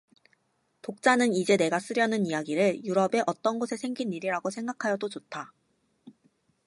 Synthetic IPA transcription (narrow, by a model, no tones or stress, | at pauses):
tok̚t͡ɕ͈anɯnid͡ʑe̞ne̞ɡas͈ɯɾjʌnɯnijaɡiɾɯɭjuɾʌbe̞ʔʌt͈ʌnɡosʰe̞sʰe̞ŋɡiniɾiɾaɡosʰe̞ŋɡakʰajʌdot͡ɕotʰa